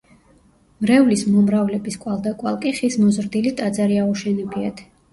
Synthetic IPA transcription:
mɾɛvlismɔmɾavlɛbiskʼwalˠd̪akʼwalˠkʼiχismɔzɾd̪ilit̪ʼad̪zaɾiauʃɛnɛpʰiat̪ʰ

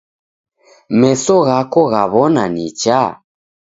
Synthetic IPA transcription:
mɛsɔɣakɔɣaβɔnanit͡ʃa

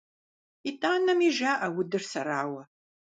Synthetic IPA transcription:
itʼaːnɐmiʒaːʔɐwʊdɨrsɐɾaːwɐ

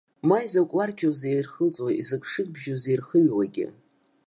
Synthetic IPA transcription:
majzakʷʼwarkʲʰozerχəlt͡sʼwaizɨkʷʼʰʂɨkʼbʒozejrχəmwaɡʲɪ̰

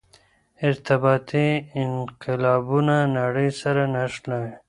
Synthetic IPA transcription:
ɪɾt̪abɑːt̪iɪnqɪlɑbunanaɽəjsaɾanaʂlawe

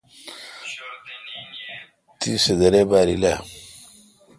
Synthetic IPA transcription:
tʰisedaɾebaɾila

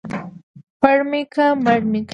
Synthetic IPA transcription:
waɾmɪkamaɾmɪk

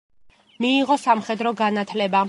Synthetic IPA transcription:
miːʁɔsamχɛd̪ɾɔɡanat̪ʰlɛba

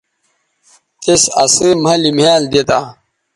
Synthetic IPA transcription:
t̪esɐ̰sem̤ɐlimaːld̪et̪a

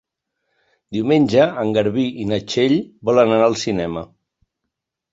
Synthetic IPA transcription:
d̪iumenʲʒəəŋɡəɾβiʔinət͡ʃeʎbɔlənənaəlˠsinɛmə

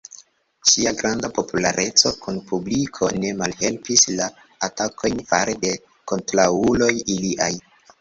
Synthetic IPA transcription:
ʃiaɡɾandapo̞pula̰ɾʔe̞t͡so̞kunpublikʰo̞ne̞malhe̞lpislaː | takʰo̞jnfa̰ɾede̞ | ko̞ntɾaulo̞jiliʔa̰j

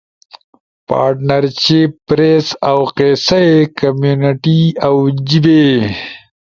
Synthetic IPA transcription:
pa̰ːɾʈnɐɾt͡ɕippːɾesawqeːsaekɐmjuniʈiawd͡ʑibe

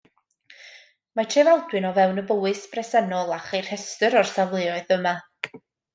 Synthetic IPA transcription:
matʰrevalˠdwɨnɔvɛwnəbəwɨsb̥rɛsɛnɔlˠaχejr̥hɛstəɾɔrsavlˠɨɔɨðəma

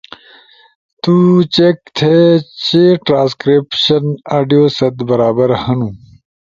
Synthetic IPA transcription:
t̪ut͡ɕekt̪ʰet͡ɕeʈɾãːskɾipɕɐnaːɖijoːsɐt̪bɐɾaːbɐɾhɐnũ

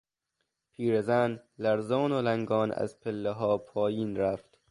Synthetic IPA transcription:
pʰiːɾezænlæɾzɒːnolæŋɡɒːnæ̰zpʰelːeɦɒːpʰɒːjiːnɾæft̪

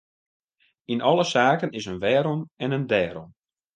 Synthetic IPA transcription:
inʔɔlˠəsaːkənɪsənʋɛːɾɔmɛnəndɛːɾɔ̰m

